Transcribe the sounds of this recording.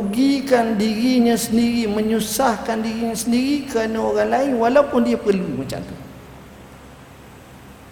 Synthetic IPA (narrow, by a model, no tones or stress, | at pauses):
ɡikandiɾiɲãsəndiɾiməɲusahkandiɾiɲãsəndiɾikəɾanaoɾaŋlaɪnwalaupʊndiapərlumat͡ʃa̰mt̪u